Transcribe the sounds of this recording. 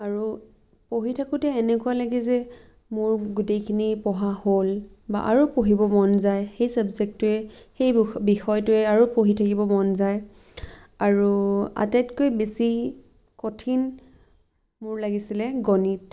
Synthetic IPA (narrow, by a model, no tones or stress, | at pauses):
aɹu | poɦitʰakʊtɛːnɛkʊalaɡizɛ | mʊɹɡutejkʰinipɔɦahol | ba̰ʔaɹupoɦibɔmɔnzajxejsabzɛk̚tʊɛxejbixɔjtʊɛaɹupoɦitʰakibɔmɔnzaj | aɹua̰tatkojbesi | kotʰin | mʊɹlaɡisilɛɡɔnit̚